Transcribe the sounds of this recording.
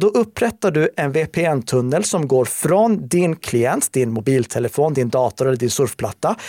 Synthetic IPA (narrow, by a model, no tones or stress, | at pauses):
d̪ɔʔɵpːɾɛt̪ːaɖɵɛnvepʰeːɛnt̪ʰɵnːəlsɔmɡoːɾfɾɔnd̪ɪnkʰlɪjɛnt̪d̪ɪnmʊbiːlt̪ʰɛləfoːnd̪ɪnd̪ɑːt̪ʊɾɛlːəɖɪnsɵɾfpʰla̰t̪ːa